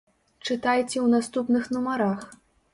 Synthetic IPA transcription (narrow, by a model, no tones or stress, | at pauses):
t͡ʂɨt̪ajt͡sʲɛwnast̪upnɨxnumaɾax